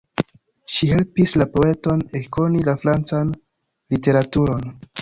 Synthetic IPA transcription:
ʃiɦe̞lpislapo̞e̞to̞neko̞nilafɾant͡san | lite̞ɾatuɾo̞n

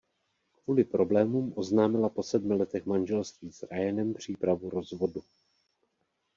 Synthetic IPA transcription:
kvuːlɪpɾo̞blɛːmuːmʔo̞znaːmɪlapo̞sɛdmɪlɛt̪ɛxmanʒɛlst̪viːzɾajɛnɛmpr̝̥iːpɾavuɾo̞zvo̞du

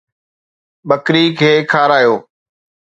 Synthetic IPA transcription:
ɓəkɾiːkʰeːkʰaːɾaːjoː

